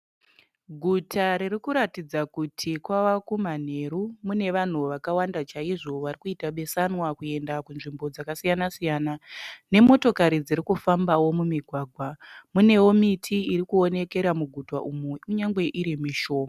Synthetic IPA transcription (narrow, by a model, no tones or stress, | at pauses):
ɡʱutʰaɾirikuɾatid͡zakutʰikwawakuman̤e̞ɾumune̞ʋan̤uʋakawandat͡ʃaiʐo̞ʋarikuitaɓe̞sanwakue̞ndakunʐimbo̞d͡zakasijanasijanane̞mo̞to̞kaɾid͡ziɾikufambawo̞mumiɡʱwaːɡʱwamune̞womitʰiiɾikuo̞ne̞ke̞ɾamuɡʱuta̰ʔumuuɲaŋɡwe̞ʔiɾimiʃo̞ːma